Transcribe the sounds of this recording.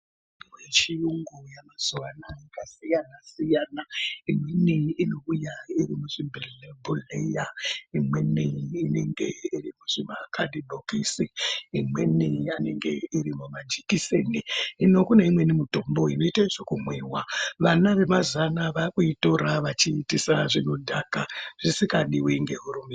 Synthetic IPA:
jet͡ʃijuŋɡujamaz̥uʋanaikasijanasijaːnaimweniino̞ujairimuʐimbʱelbʱulejaimweniineŋɡe̞̰irimuʐ̥imakʰadibʱokisiimwe̞niane̞ŋɡe̞iɾimumad͡ʒikiseniino̞kuneimwe̞nimuto̞mbo̞ino̞itaiʐokumweːwaʋanaʋe̞mazanaʋakuito̞ɾaʋat͡ʃiːtisaʐino̞dʱakaʐ̥isikaɗiwiŋɡe̞ɦuɾumi

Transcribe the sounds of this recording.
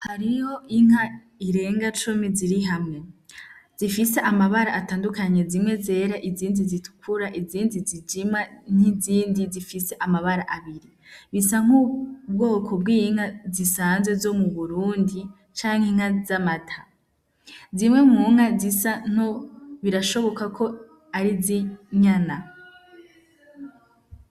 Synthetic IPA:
haɾijo̞ʔiŋ̥a | iɾe̞ːŋɡat͡ʃumiziɾiɦamŋe̞ | z̥ifise̞ʔamaβaɾaataːndukaɲe̞zimŋe̞ze̞ːɾaʔiziːndizitʰu̥kʰuɾaʔiziːndizid͡ʒiman̥iziːndizifise̞ʔamaβaɾaʔaβiɾi | βisaŋ̥ub̚ɡo̞ːkʰo̞b̚ɡiŋ̥hazisaːnzwe̞zo̞muβuɾuːndi | t͡ʃaːŋ̥heŋ̥hazamatʰḁ | zimŋe̞mŋuːŋ̥azisan̥oβiɾaʃo̞βo̞kakʰo̞ | aɾiziɲana

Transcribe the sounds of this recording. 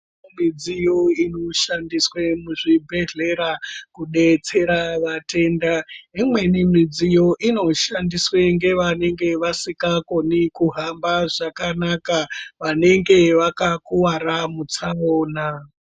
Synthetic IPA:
mid͡zijo̞ino̞ʃandiswemuʐibʱe̞ɮe̞ɾakuɗe̞t͡se̞ɾaʋatʰe̞ndaimwe̞nimid͡zijo̞ʔino̞ʃandiswe̞ŋɡe̞ʋane̞ŋɡe̞ʋasikako̞nikuɦambaʐakanakaʋane̞ŋɡe̞ʋakakuwaɾamut͡saoːna

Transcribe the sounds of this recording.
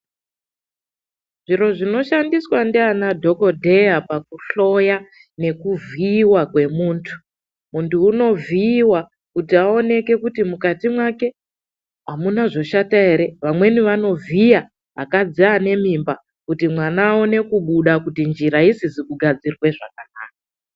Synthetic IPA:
ʐ̥iɾo̞ʐino̞ʃandiswandianadʱo̞ko̞dʱe̞japak̚uɬo̞ja | ne̞kuviːwakwe̞muːntʰu̥ | muntʰuːno̞viːwa | kutiao̞ne̞ke̞kutimukatimwake̞ | amunaʐo̞ʃataeɾe̞ʋamwe̞niʋano̞vija | akad͡ziane̞mimba | kutimwanaːo̞ne̞kuɓuɗakutind͡ʒiɾaisizikuɡʱad͡zirwe̞ʐa̰kana̰ːk̚a

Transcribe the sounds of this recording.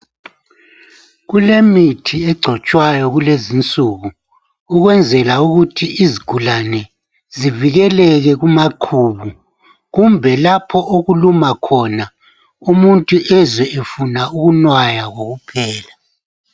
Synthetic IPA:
ɣulemitʰiɛɡ͡ǀʱɔt͡ʃʼwajɔɣulezint͡sʼuːɣu | uɣwɛnd͡zʱɛlauɣutʰiʔiziɡ̥ʱulanɛ | ziviɣɛlɛɣɛɣumaǃʰuːβu | ɣumbʱɛlapʰɔʔoɣulumakʰɔna | umuntʼuʔɛzwɛʔefunauɣunwajaɣoɣupʰɛːla

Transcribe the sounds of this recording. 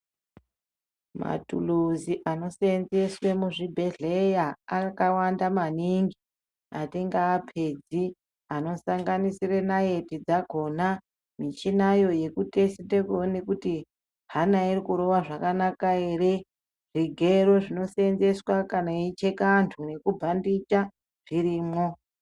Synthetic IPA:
ma̰tṵluziʔano̞senze̞swemuʐibʱe̞ɮejaːkawandamaniŋɡi | atiŋɡaːpʰe̞d͡zi | ano̞saŋɡanisirenaje̞tid͡zaɡʱo̞na | mit͡ʃinajo̞je̞kute̞sitekoone̞kuti | ɦanaiɾikuɾo̞ʋaʐakanakaere̞ | ʐiɡʱeɾo̞ʐino̞senze̞swakanait͡ʃekantʰune̞kubʱandit͡ʃa | ʐ̥iɾiːmo̞

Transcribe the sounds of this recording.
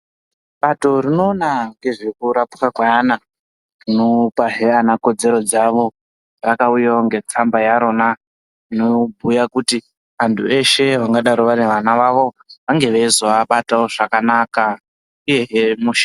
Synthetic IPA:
ɓato̞rino̞ːnaŋɡe̞ʐekuɾapu̥kakwaana | rinopaɦe̞anako̞d͡ze̞ɾo̞d͡zaʋo̞ | rakaujaoŋɡe̞t͡sambajaɾo̞na | inobʱujakuti | antʰue̞ʃe̞ʋaŋɡaɗaɾoʋane̞ʋanaʋaʋo̞ | ʋaŋɡe̞ʋeizoaɓataoʐ̥akanaka | uje̞ɦemuʃḁ

